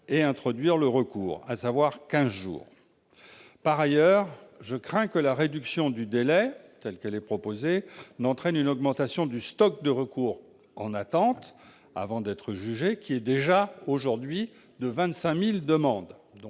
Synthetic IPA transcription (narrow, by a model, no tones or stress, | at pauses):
eɛ̃t̪χɔd̪ɥiʁləʁəkuːʁa̰savwaʁkʲɛ̃zʒṵːʁ | paʁajœʁʒəkχɛ̃kəlaʁed̪yksjɔ̃d̪yd̪elɛt̪ɛlkɛlɛpχɔpozenɑ̃t̪χɛnynɔɡmɑ̃t̪asjɔ̃d̪yst̪ɔk̚d̪əʁəkuːʁ | ɑ̃nat̪ɑ̃t̪ | a̰vɑ̃d̪ɛt̪χəʒyʒekʲiɛd̪eʒaoʒuʁd̪ɥi | d̪əvɛ̃t̪sɛ̃mild̪əmɑ̃d̪d̪̃